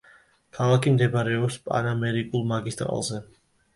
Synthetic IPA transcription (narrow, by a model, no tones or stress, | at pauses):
kʰalˠakʰimd̪ɛbɾɛɔpspʼa̰namɛɾikʼulˠmaɡist̪ʼɾa̰lˠzɛ